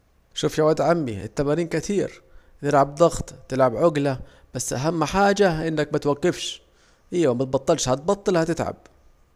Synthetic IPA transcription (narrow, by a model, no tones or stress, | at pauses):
ʃuːfjawaːd̪ʕamːḭɪ̰t̪ːamaɾiːnkɪt̪ʰiːɾ | t̪ɪlʕab̚d̪ˤɑɣt̪ˤt̪ɪlʕabʕʊɡla | b̥asːʔaɦamːħaːd͡ʒaʔɪnːakmat̪waɡːɪfʃ | ʔiːwamat̪̚bɑt̪ˤːɨlʃhɑt̪̚bɑt̪ˤːɨlhat̪ɪt̪ʕa̰b̥̚